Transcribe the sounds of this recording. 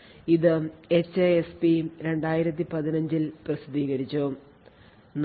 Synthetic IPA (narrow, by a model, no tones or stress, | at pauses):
iðɨet͡ɕːeespiɾe̞ɳɖaːjiɾɐt̪̬ːipɐðinɐɲd͡ʑilprɐsid̪ʱiːɣɐɾit͡ɕːu | n